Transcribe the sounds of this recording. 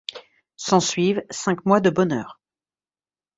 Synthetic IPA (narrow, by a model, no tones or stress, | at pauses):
sɑ̃sɥivsɛ̃kmwad̪əbɔnœːʁ